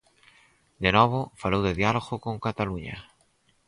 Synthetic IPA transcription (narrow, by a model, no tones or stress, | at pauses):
d̪enoβ̞ofalowðeðjaloɣokoŋkat̪aluɲa̰